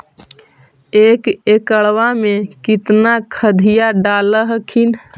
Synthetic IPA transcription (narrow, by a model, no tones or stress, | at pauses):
ekekəɭwamekit̪nakʰəd̪ʱijaɖaləɦəkʰin